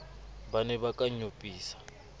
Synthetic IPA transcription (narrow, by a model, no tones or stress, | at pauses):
banɛβakʼaɲupʼiːsḁ